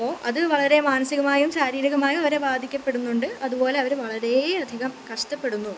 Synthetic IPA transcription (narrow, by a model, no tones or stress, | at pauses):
ɐpːoːʔɐðɨʋɐɭɐɾe̞maːnɐsiɣɐmaːjumɕaːɾiːɾiɣɐmaːjumɐʋɐɾe̞baːd̪ʱikʲːɐpːe̞ɽunːuɳɖɨɐðupo̞ːleɐʋɐɾʋɐɭɐɾe̞ɐd̪ʱiɣɐmkɐʂʈɐpːe̞ɽunːu